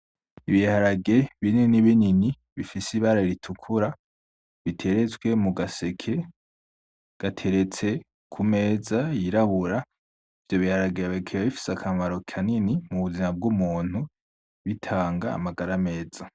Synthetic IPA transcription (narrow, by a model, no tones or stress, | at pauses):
iβihaɾaɡe̞βininiβinini | βifisiβaɾaiɾitʰukʰuɾa | βitʰe̞ɾe̞t͡sɡwe̞muɡase̞kʰe̞ | ɡ̥atʰe̞ɾe̞t͡se̞ | kʰume̞ːzajiɾaβuɾa | ivjo̞βihaɾaɡejaβekʰewaβifi̥sakʰamaɾo̞kʰaninimuβuzimab̚ɡumuːn̥hu | βitʰaːŋɡa̰ːmaɡaɾame̞ːz̥a